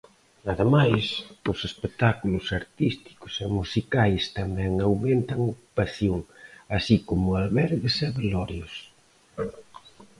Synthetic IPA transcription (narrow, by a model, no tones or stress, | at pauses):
aðemajsʊsespek̚t̪akulʊsaɾt̪ist̪i̥kʊ̥sɛmusikajst̪amɛŋawment̪ɐŋoku̥paθjoŋasikomʊalβɛɾðesɛβelɔɾjos